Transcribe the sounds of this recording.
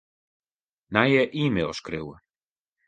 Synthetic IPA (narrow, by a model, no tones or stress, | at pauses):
najɛʔiːmɪɔʃkɾɪw